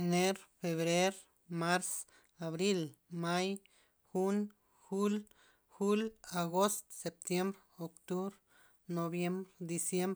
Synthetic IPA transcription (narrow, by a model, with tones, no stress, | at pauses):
ne˦ɾfe˨βɾe˦ɾ | ma˦ɾs | a˨βɾi˦lma˦j | xu˦n | xu˦l | xu˦la˨ɡo˦st̪se˨p̚t̪je˦mbɾ | o˨kt̪u˦bɾ | no˨bje˦mbɾd̪i˨sje˦mb